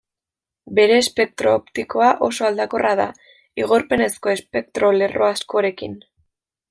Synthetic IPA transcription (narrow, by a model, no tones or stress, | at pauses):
be̞ɾe̞ːspe̞k̚t̪ɾo̞opt̪iko̞aʔo̞so̞ald̪ako̞rʔaða̰ | iɣ̞oɾpe̞ne̞sko̞e̞spe̞k̚t̪ɾo̞le̞ro̞̰asko̞ɾe̞kḭn